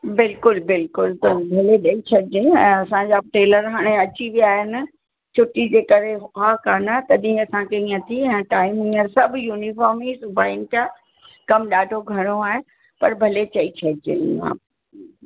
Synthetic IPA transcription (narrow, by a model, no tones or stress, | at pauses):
bɪlkʊlbɪlkʊlt̪ɐbʱɐleɗɐit͡ɕʰɐdɪd͡ʑẽɛ̃ːɐsãd͡ʑaʈeːləɾɦaːɽ̃eɐt͡ɕiʋijaːɦɪnɪ | t͡ɕʰʊʈid͡ʑeːkɐɾeɦʊkaːkaːnat̪ɐɗĩɐsãkeĩɐt̪ʰiɛ̃ːʈaːɪmĩəɾsɐbʱjuːnifɔːɾmisʊbʱaːɪnɪka | kɐmɗaːɖʱoɡʱɐɽ̃oaːɦe | pɐɾbʱɐlet͡ɕɐit͡ɕʰɐdɪd͡ʑḛ̃ːa̰ː